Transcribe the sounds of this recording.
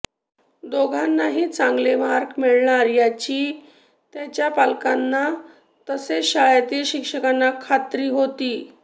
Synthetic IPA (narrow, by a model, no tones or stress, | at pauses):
d̪oɡʱanːaɦiːt͡sãŋɡlemaɾkmeɭɳaɾjat͡ɕiː | t̪jat͡ɕjapalkanːa | t̪əseɕajat̪iːɾɕikʂəkanːakʰat̪ɾiːɦot̪iː